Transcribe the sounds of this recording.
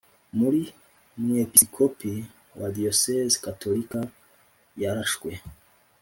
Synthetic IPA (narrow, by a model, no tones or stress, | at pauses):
muɾi | mŋiepiskʰopi | wadiosezkatʰolika | jaɾaʃwe